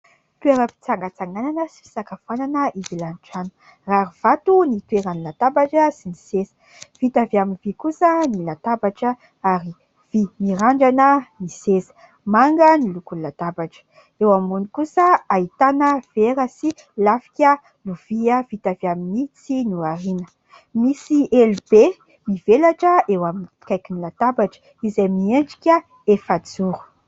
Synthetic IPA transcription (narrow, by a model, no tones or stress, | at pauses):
t̪ueɾəpi̥t͡saŋɡat͡saŋɡananəsi̥fi̥sakafananəʔizilanʈ͡ʂanu̥ | raɾuv̥at̪unit̪weɾanilat̪abaʈ͡ʂəsinisesə̥ | v̥it̪aviaminvikusənilat̪abaʈ͡ʂə | aɾi | v̥imiɾaɳɖ͡ʐanənisesə̥ | maŋɡənilukunlːat̪abaʈ͡ʂə̥ | ewamunikusəait̪anəv̥eɾəsi | lafi̥kʲə | luv̥iəv̥it̪aviaminit͡sinuaɾinə | misiɛlbe | mivelaʈ͡ʂəewaminkajkinilat̪abaʈ͡ʂə̥ | izamieɳɖ͡ʐi̥kʲə | efad͡zuɾu̥